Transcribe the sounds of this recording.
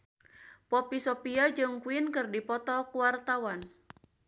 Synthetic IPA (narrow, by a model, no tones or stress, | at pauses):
pɔpisɔpiad͡ʒɨŋkuɪnkɨrdipɔt̪ɔkuwart̪awan